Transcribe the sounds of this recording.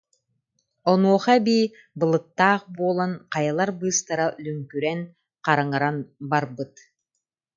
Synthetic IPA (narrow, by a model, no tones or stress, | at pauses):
ɔnuɔχabiː | bɯlˠɯt̪ːaːχbuːlˠɔnqɑjalˠaɾbɯːst̪aɾalyŋkyɾɛŋ | qɑɾaŋaɾanbaɾbɯt̪